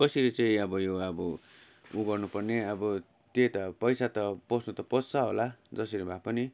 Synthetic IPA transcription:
kʌsiɾet͡sʌĩʌbʌjoʌbʌ | uɡʌrnupʌrneʌbʌ | t̪et̪ʌpʌjsat̪ʌpʌsnut̪ʌpʌt͡st͡sʌɦolad͡zʌsiɾibʱapʌni

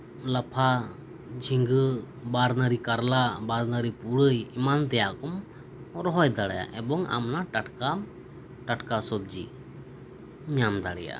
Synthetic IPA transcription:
lapʰa | d͡ʒʱiŋɡ | baɾnəɾikaɾlabaɾnəɾipuɽəjimant̪ɛjakɔm | ɾɔɦɔjd̪aɽaja̰ʔɛbɔŋa̰mnaʈaʈkam | ʈaʈkasɔb̚d͡ʒḭ | ɲamd̪aɽɛ̰ja̰

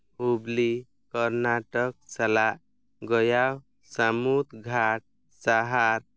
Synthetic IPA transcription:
ubli | kɔɾnaʈək̚salaʔ | ɡɔjaw | samut̪ɡʱaʈ̚ | saɦaɾ

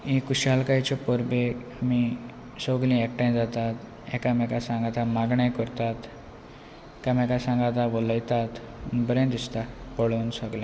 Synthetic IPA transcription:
ĩkuɕalkajt͡ɕepɔɾbemi | sɔɡlĩɛk̚ʈãj̃d͡zat̪at̪ | ɛ̰kamɛkasãŋɡat̪amaɡɳə̃jkəɾt̪at̪ | kamɛkasãŋɡat̪aʋɔləjt̪at̪ | əbəɾẽnd̪ist̪apɔɭonsɔɡlã

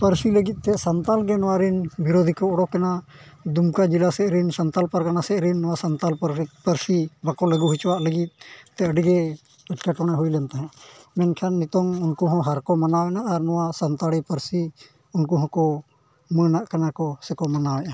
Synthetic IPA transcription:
pəɾsiləɡit̪̚ˀt̪ɛsant̪alɡɛnɔwaɾinbiɾod̪ʱikɔɔɽɔkːanad̪umkad͡ʒilasɛʔɾinsant̪alpaɾkanasɛʔɾinːɔwasant̪alpəɾpəɾsibakɔləɡuɦut͡ʃwaʔləɡit̪̚ˀt̪ɛəɖiɡɛ | pɛʈkɛʈɔɽ̃ɛɦujlɛnt̪aɦɛ̃mɛnkʰanːit̪ɔŋunkuɦɔ̃ɦaɾkɔmanawɛnaʔːɾnɔwasənt̪aɽipəɾsi | unkuɦɔ̃kɔ | mənaʔkanakɔsɛkɔmanawɛna

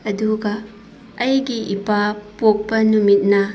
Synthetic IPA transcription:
ɐduɡɐː | jɡiʔipapok̚pɐnumit̚nɐ

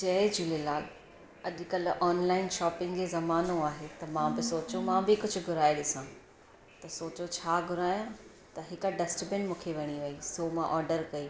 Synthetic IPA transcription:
t͡ɕɐed͡ʑʊlelaːl | ɐʄkɐlɔːnlaːɪnʃɔːpɪ̃ŋɡd͡ʑezɐmaːnoaːɦet̪ɐmãbɪsoːt͡ɕũmãbɪkʊd͡ʑʱʊ̆ɡʱʊɾaːiɗɪsã | t̪ɐsoːt͡ɕot͡ɕʰaːɡʱʊɾaːjã | t̪ɐɦɪkɖɐsʈbɪnmũːkʰeʋɐɽ̃iʋɐisomãʔɔːɾɖəɾkɐi

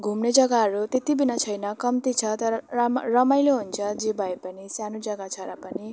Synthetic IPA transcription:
ɡʱumned͡zʌɡaɦʌɾut̪et̪ibinʌt͡sʰʌjnʌkʌmt̪it͡sʰʌt̪ʌɾʌrʌmajloɦunt͡sʰʌd͡zebʱʌepʌnisjanud͡zʌɡat͡sʰʌɾapʌni

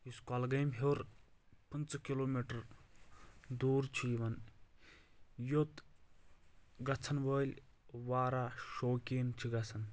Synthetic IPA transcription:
juskalɡɐjmɦewɾpɨnt͡skiloːmiʈəɾ | d̪uːɾt͡ʃʰiiʋɐn | jot̪ | ɡɐt͡sʰɐnʋəːlʲʋaːɾaːʃoːkiːnt͡ʃʰiɡɐt͡sʰɐn

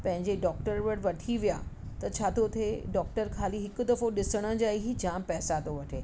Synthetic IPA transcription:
pɐ̃ɦɪ̃ɲd͡ʑeɖɔːk̚ʈəɾʋəɽʋɐʈʰiʋija | t̪ɐt͡ɕʰaːt̪ʰot̪ʰeɖɔːk̚ʈəɾkʰaːliɦɪkʊd̪ɐfoɗɪsəɽ̃ə̆d͡ʑaːiɦid͡ʑãːmpɛɦsat̪oʋɐʈʰeː

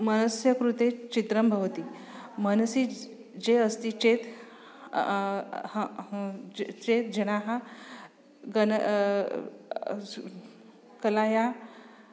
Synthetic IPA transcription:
mənəsjəkɾut̪et͡ɕit̪ɾəmbʱəʋt̪iː | mənsiː | d͡ʑeəst̪iːt͡ɕet̪ | h | t͡ʃet̪d͡ʑeɽ̃aɦa | ɡən | kəlaja

